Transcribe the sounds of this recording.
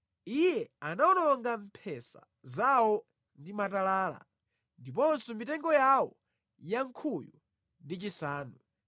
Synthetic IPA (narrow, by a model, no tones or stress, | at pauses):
ijɛanaɔnɔŋɡampʰɛsa̰ | zawɔ | ndimatalaːla̰ | ndipɔnsɔmitɛŋɡɔjawɔ | jaŋkʰuju | ndit͡ʃisaːnu